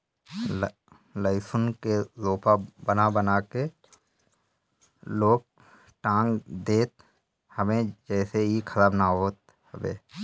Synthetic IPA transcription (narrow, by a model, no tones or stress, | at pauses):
ləɪsʊnkezoːpabənabənaːke | loːk̚ | ʈãːŋɡd̪eːt̪ | həbẽd͡ʒɛːseikʰəɾaːbnaɦoːt̪̚ | həbḛː